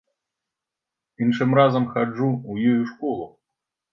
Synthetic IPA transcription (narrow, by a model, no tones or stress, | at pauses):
inʂɨmrazɐmxad͡ʐuwjɔjuʂkɔlˠu